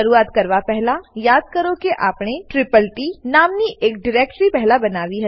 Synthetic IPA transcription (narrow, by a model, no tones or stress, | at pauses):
ɐɾuːaːt̪kɐɾʋapɛɦlajaːd̪̚kɐɾokeʔaːpɽ̃eʈɾɪpəlʈinaːmniʔeːk̚ɖɪɾeːk̚ʈɾipɛɦlabɐnaːʋiɦ